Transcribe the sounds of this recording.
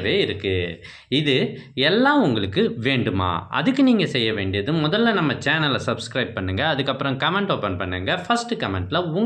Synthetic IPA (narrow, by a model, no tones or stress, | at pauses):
ʋeːɪɾɯkːɯ | ɪðɯɛlːãːʊŋɡɐɭɯkːɯʋeːɳɖɯma̰ːɐ̰ðɯkːɯniːŋɡɐsɛjːɐʋeːɳɖɪjɐðɯmʊðɐlːɐnɐmːɐt͡ʃaːnɐlsɐbskɾɐɪb̚pɐɳːɯŋɡɐːðɯkːɐpːɯɾɐ̃kɐmɛɳʈoːpɛnpɐɳːɯŋɡɐfɐsʈɯkɐmɛɳʈlɐʊŋ